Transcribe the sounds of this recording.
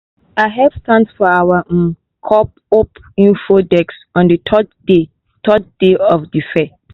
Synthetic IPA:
aɪɦɛv̥stãnsfɔawa | kʰɔp̚ | op | ĩnfodɛksɔ̃ndətʰɔdde | tʰɔd̚deɔfdifɛ

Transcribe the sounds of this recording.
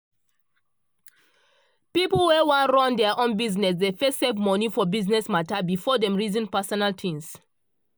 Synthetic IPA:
piplwɛwãnɹɔ̃ndɛaʔɔ̃nbiznɛs̬defɛstsevmɔnifɔbiznɛsmatabifɔdɛ̃mɹizĩnpasɔnaltʰĩms

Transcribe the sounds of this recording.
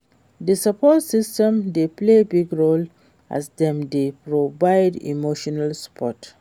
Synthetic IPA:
dəsapɔtsistɛ̃mdeplebiɡɹol | ʔa̰sdɛ̃mdepɹovaɪdḭmoʃɔnalsə̥pʰɔt

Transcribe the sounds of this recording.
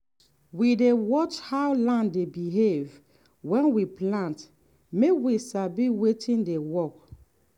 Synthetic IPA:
widewɔt͡ʃhawlãndebiɦev | wɛ̃nwiplãnt | mekwisabiwetĩndewɔk

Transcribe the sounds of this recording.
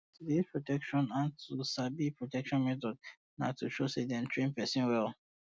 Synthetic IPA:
tudispʰɹotɛkʃɔ̃nãntʰusabipʰɹotɛkʃɔ̃nmɛt̬ɔd | natʰuʃosedɛ̃ntʰɹẽnpɛsĩnwɛlˠ

